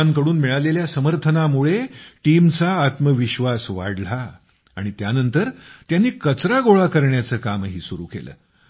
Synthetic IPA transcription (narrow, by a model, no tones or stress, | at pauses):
aŋkəɽuːnmiɭaleljasəməɾt̪ʰənamuɭeʈimt͡saːt̪məʋiɕʋasʋa̰ɽla̰ː | ɽ̃it̪janənt̪əɾt̪janːiːkət͡sɾaɡoɭakəɾɳjat͡səːkamɦiːsuɾṵkḛlə̰ː